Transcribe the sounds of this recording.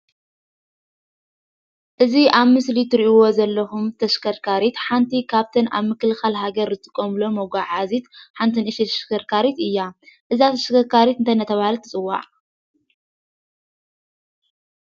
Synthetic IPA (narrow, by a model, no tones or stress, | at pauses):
ʔɨziʔaβmɨslit̪ʰɨɾiʔiwo̞zɐlːɐxumt̪ʰɐʃkʰɐɾkʰaɾit̪ħant̪ʰikʰaβt̪ʰɐna̰βmɨkɨlɨxalɦaɡɐɾzɨt̪ʼɨ̥kʼːomlomoɡʷaʕazit̪ħant̪ʰɨnɨʃit̪ʰɐʃkɐɾkʰaɾit̪ɨjːaʔɨzat̪ʰɐʃkʰɐɾkʰaɾit̪ɨnt̪ʰɐnɐt̪ʰɐβaalt̪ʰɨt͡sʼɨwːa̰ʕ